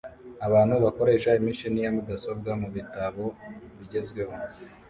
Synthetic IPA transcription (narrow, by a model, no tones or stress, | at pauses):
aβaːnhuβako̞ɾe̞ːʃaimiʃinijamudaso̞bɡamuβitaβo̞βiɟe̞zɡwe̞ho̞